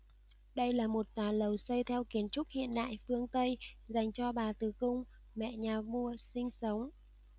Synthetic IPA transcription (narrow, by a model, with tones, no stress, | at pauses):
ɗə˧jlaː˨˩mo˨˩t̚t̪waː˨˩lə˨˩wsə˧jt̪ʰɛ˧wki˨˦ənt͡ɕʊ˦˥k̚hḭ˧˨ənɗa̰ː˧˨jfɨ˧əŋt̪ə˧jza˨˩jŋ̟t͡ɕɔ˧ɓaː˨˩t̪ɨ˨˩kʊ˧ŋ͡m | mɛ̰˧˨ɲaː˨˩mu˧əsï˧ŋ̟sə˨˦wŋ͡m